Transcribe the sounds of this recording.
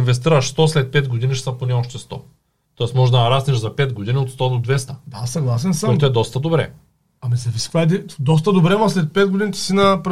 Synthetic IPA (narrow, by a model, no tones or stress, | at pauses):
nvɛs̬t̪iɾɐʃst̪ɔslɛt̪̚pɛd̪ɡod̪iniʃt̪aponɛoʃt̪ɛst̪ɔ̰ | t̪ɔɛsmɔʒd̪ad̪ɐɾasnɛʒzapɛd̪̚ɡod̪iniot̪st̪ɔd̪od̪vɛst̪ɐd̪asɐɡlˠasɛnsəɔɛt̪oɛd̪ɔst̪ɐd̪obɾɛ̰ | amisɛviskvaɛd̪id̪ɔs̬t̪ɐd̪obɾɛmaslɛt̪̚pɛd̪̚ɡod̪init̪i̥sinap